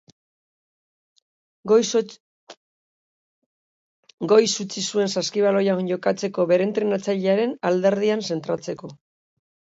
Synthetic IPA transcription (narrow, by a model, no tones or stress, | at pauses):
ɡojs | ɡo̞jsut͡sisue̞nsaskiβalojaonɟo̞kat͡se̞ko̞βe̞ɾe̞nt̪ɾenat͡saʎeaɾe̞nald̪e̞ɾðianse̞nt̪ɾat͡se̞ko̞